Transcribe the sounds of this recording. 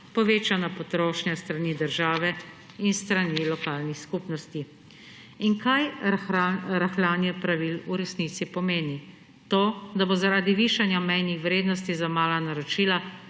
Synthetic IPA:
pɔʋeːt͡ʃanapɔt̪ɾoːʃnjast̪ɾanid̪əɾʒaːʋɛ | inst̪ɾanilɔkaːlnixskupnɔst̪i | inkajaɾaxlaːnjɛpɾaʋiluɾɛsniːt̪sipɔmeːni | t̪oːd̪abozaɾaːd̪iʋiːʃanjamɛjnixwɾeːd̪nɔs̬t̪izamaːlanaɾɔt͡ʃiːla

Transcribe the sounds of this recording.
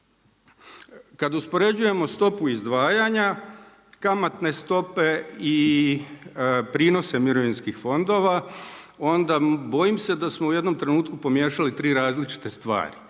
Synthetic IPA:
kad̪uspo̞ɾe̞d͡ʑuje̞mo̞st̪o̞puizd̪ʋaːjaɲa | kamat̪ne̞st̪o̞pe̞i | pɾino̞se̞miɾo̞ʋinskixfo̞nd̪o̞ʋa | o̞nd̪abo̞jimse̞d̪asmo̞uje̞d̪no̞mt̪ɾe̞nuːt̪kupo̞mje̞ːʃalit̪ɾiːɾaːzlit͡ʃi̥t̪e̞st̪ʋa̰ːɾi

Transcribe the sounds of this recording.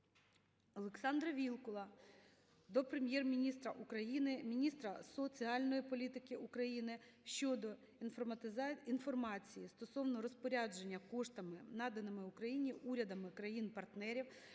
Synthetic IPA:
ɔlˠeksɑnd̪ɾɐʋʲilˠkɔlˠɐ | d̪ɔpɾemʲjɛrmʲinʲist̪ɾɐʔukɾɐjinɪmʲinʲist̪ɾɐsɔt͡sʲiɑlʲnɔjipɔlʲit̪ɪkɪukɾɐjinɪʃt͡ʃɔd̪ɔ | infɔrmɑt͡sʲijist̪ɔsɔwnɔɾɔspɔɾʲɑd͡ʒenʲːɐkɔʃt̪ɐmɪnɑd̪ɐnɪmɪʊkɾɐjinʲiʔuɾʲɐd̪ɐmɪkɾɐjinpɐrt̪nɛɾʲiw

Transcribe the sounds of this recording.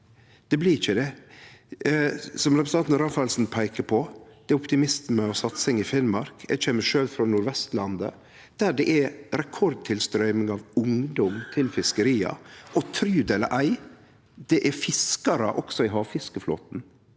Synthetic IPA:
d̪̥ɛblɪɪçəd̪ɛ | sɔmɾɛpɾəsʰɑnt̪nɾɑːfɑlsn̩pʰæɪkəpʰɔd̪̥ɛæʊpt̪ɪmɪst̪mɛɔsɑt̪sɪŋɪfɪnmɑɾkæ̰çɛmːəʂøːlfɾɑnʊɾʋɛst̪lɑnd̪ə̰ | d̪̥æɖɛʔɛɾɛkʰɔɾd̪̚t̪ʰɪlst̪ɾœʏmɪŋɑʋʊŋd̪ɔmt̪ʰɪlfɪskəɾiːɑ̰ʔɔt̪ʰɾyːd̪elə̰ʔæɪ | d̪̥ɛʔæɾfɪskɑɾə̰ʔɔksɔɪɦɑːfɪskəflo̰ːt̪n̩

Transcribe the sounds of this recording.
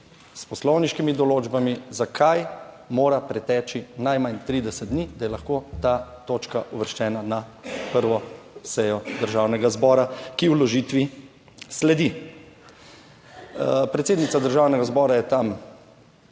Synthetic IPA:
spɔslɔwniʃkimid̪ɔloːd͡ʒbamizakʰaj | moːɾapɾɛt̪ɛːt͡ʃinajmant̪ɾiːd̪ɛsɛd̪̚d̪nid̪ajɛlaxkot̪aːt̪oːt͡ʃkaʔuʋəɾʃt͡ʃɛːnanapəɾʋɔsɛjɔd̪əɾʒaːwnɛɡazbɔːɾakiwlɔʒiːt̪ʋi | slɛd̪i | pɾɛt̪seːd̪nit̪sad̪əɾʒaːwnɛɡazbɔːɾajɛt̪am

